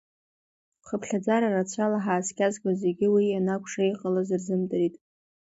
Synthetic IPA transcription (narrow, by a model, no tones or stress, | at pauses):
χəpʰɬad͡zaɾarat͡ɕʷʰalaħaːskʲʰʼazɡʲʷʼaze̞ɡʲɪwijanakʷʰʼʂejqʼalazɨrzɨmdʼɨɾitʼ